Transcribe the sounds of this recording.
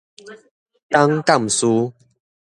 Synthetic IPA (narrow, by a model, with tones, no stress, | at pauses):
t̪a˦ŋka˥˨m˨su˦